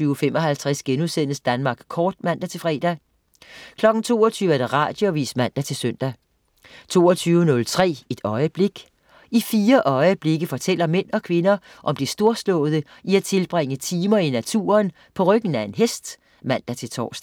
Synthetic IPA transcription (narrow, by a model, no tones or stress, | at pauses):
yːʊfemɒ̽ɦælt͡sʰʁɛsɡ̥enuðˠsen̰əsd̥ænmɑ̈ːɡ̥kʰɒːd̥mæn̰d̥æt͡sʰe̝lfʁɛ̰ːd̥æ | kʰlɒ̽ɡ̥n̩t͡sʰo̝̰ːɒt͡sʰyːʊæɐd̥ɑ̈ʁɑ̈ːd̥joʋḭːsmæn̰d̥æt͡sʰe̝lsøn̰d̥æ | t͡sʰo̝̰ːɒt͡sʰyːʊənɔ̽lt͡sʰʁɛ̰ːe̝d̥ɒ̽ɪəb̥le̝ɡ̥ | ifiːɐʔɒ̽ɪəb̥le̝ɡ̥əfɒ̽t͡sʰel̰ɐmen̰ɒ̽kʰʋe̝nɐ | ʔɒ̽md̥isd̥o̝ɐslɔ̰̽ːð̞̩ˠə | iæt͡sʰe̝lb̥ʁeŋət͡sʰiːmɐinæt͡sʰṵːɐn | pʰɒ̽ʁœɡ̥n̩æe̝nɦesd̥ | mæn̰d̥æt͡sʰe̝lt͡sʰɒ̰ːsd̥